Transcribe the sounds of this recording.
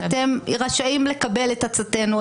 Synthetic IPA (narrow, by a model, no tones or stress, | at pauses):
t̪emʁaʃaimle̞kabe̞letat͡sat̪e̞nu